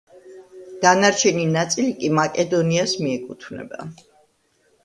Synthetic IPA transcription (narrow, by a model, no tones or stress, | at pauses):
d̪̥anaɾt͡ʃʰɛninat̪sʼilikʼimakʼɛd̪ɔniasmiɛkʼut̪ʰvnɛ̰ba̰